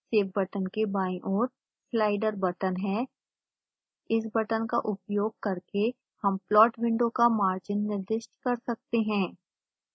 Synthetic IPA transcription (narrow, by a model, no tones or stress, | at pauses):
seːfbɐʈənkebaːĩʔɔːɾ | slaːɪɖəɾbɐʈənɦɛ̃ː | ɪs̬bɐʈənkaʔʊpjoːɡ̚kɐɾke | hɐmplɔːʈwɪ̃ɳɖõkamaːɾd͡ʒɪnːɪɾd̪ɪʃʈkɐɾsɐk̚t̪eɦɛ̃ː